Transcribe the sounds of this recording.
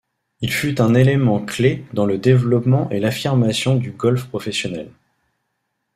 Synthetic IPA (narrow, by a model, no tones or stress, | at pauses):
ilfyt̪ɛ̃nelemɑ̃kled̪ɑ̃ləd̪evlɔpmɑ̃ʔelafiʁmasjɔ̃d̪yɡɔlfpχɔfɛsjɔnɛl